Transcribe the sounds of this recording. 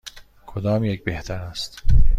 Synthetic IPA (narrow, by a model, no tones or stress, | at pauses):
kʰod̪ɒːmjecbeht̪ʰæɾæst̪